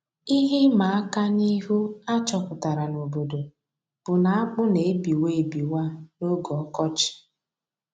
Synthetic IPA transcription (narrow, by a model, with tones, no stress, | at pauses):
i˦ɦɪ˦ma˨˦a˦ka˦ɲi˦ɦu˦a˦t͡ʃɔ˨pʊ˨ta˨ɾa˨no˨bo˨do˨ | b̥ʊ˨na˨a˦k͡pʊ˦ne˨e˦bi˨we˦e˨bi˨wa˦no˦ɡɔ˨ɔ˦kɔ˦t͡ʃɪ̥˨